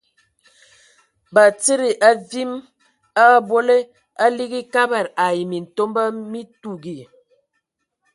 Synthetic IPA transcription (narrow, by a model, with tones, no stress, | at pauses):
ba˨t͡si˦ɾi˨ʔa˦vi˦m | a˦˨bo˦le˦ | a˦li˦ɡi˦ka˦ba˨ɾa˨ji˨mi˨n̩˨to˦mba˦mi˦tu˨ɡi˨